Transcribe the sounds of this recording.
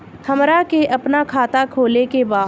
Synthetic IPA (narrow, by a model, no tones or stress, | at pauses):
hɐmɾakeʔɐpnakʰaːt̪akʰoːlekebaː